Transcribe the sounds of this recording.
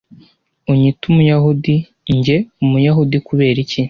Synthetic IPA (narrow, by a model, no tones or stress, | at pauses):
uɲitumujaɦudi | ɲɟe̞umujaɦudikuβe̞ːɾici